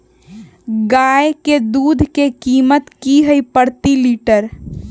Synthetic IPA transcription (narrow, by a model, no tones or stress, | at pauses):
ɡaeked̪uːd̪ʱkekiːmət̪kiɦəjpəɾt̪iliːʈəɾ